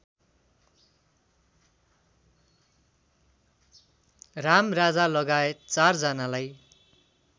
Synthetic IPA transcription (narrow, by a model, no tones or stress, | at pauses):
ramrad͡zalʌɡaet̪t͡sard͡zʌnalaj